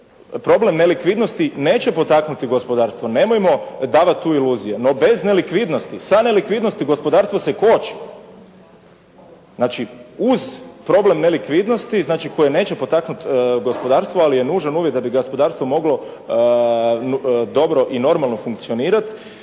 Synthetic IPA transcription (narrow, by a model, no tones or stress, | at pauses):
pɾo̞ble̞mne̞likʋid̪no̞st̪ine̞ːt͡ɕepo̞t̪aknut̪iɡo̞spo̞d̪aːɾst̪ʋo̞ne̞mojmo̞d̪aːʋat̪t̪ːuːiluːzijeno̞be̞znelikʋid̪nost̪isane̞likʋiːd̪no̞st̪iɡo̞spo̞d̪aːɾst̪ʋose̞ko̞t͡ʃi̥ | znaːt͡ʃiuzpɾo̞ble̞mnelikʋid̪nost̪iznaːt͡ʃiko̞jene̞ːt͡ʃepo̞t̪aknut̪ɡo̞spo̞d̪aːɾst̪ʋoalije̞nuːʒanuʋjet̪d̪abiɡaspo̞d̪aːɾst̪ʋo̞mo̞ɡlo̞ | d̪o̞bɾo̞ʔino̞ɾmalˠno̞fuŋkt̪sio̞niːɾat̪